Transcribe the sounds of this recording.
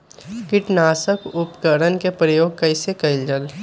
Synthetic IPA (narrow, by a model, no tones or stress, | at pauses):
kɪʈnaːsəkʊpkəɾənkepɾəjoːɡ̚kɐɪsekəɪld͡ʒəl